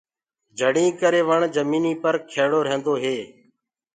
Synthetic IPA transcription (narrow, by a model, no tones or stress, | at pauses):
d͡ʒʱəɽĩːkəɾeːʋəɳd͡ʒəmiːniːpəɾkʰeːɽoːɾə̃nd̪oːɦeː